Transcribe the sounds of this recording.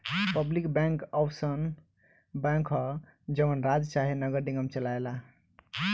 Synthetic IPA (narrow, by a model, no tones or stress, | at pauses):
pəblikbɛ̃ŋkɔwsən | bãŋkʰɦʌ | d͡ʒəmənɾad͡ʒt͡ʃaɦenəɡəɾɖĩŋɡəmt͡ʃəlaela